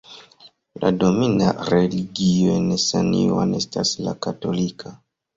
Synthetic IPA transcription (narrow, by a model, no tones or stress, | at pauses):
ladominaɾeliɡioenesaniwanestaslakatolikʰa